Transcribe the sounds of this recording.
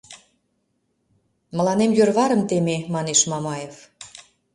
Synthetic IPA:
mə̆lɑnemjørβɑɾə̆mt̪ememɑneʃmɑmɑjef

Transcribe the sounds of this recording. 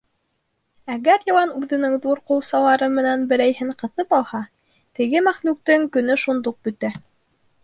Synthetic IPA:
æɡæɾjɑ̆lˠɑnʉðɘ̆nɘŋðuɾqŏwsɑlˠɑɾɤmɘ̆nænbɘ̆ɾæjhɘɴqɤ̆θɤpɑlˠhɑ | t̪ɘ̆ɡɘmæχmʉk̚t̪ɘŋkɵ̆nɵʃund̪uq̚bɵ̆t̪æ

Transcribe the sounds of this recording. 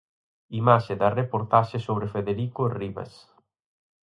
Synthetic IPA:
imaʃed̪ɐrepoɾt̪aʃesoβɾɪfeðeɾikoriβɐ̰s

